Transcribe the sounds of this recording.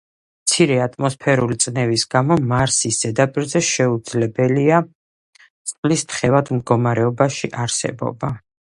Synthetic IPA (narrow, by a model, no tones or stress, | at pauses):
mt̪sʰiɾɛat̪ʼmɔspʰɛɾulit̪sʼnɛvisɡamɔmaɾsisd̪̥ɛd̪apʼiɾzɛʃɛud̪zlɛbɛlia | t̪sʼlist̪ʰχɛvad̪md̪ɡɔmaɾɛɔbaʃiʔaɾsɛ̰bɔ̰ba